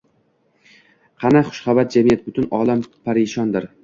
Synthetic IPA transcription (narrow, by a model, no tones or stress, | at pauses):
qʰɑnaχʊ̥ʃχabat̪̚d͡ʒamijat̪̚bʊt̪ʊnɒlampʰaɾɪʃɒnd̪ɪɾ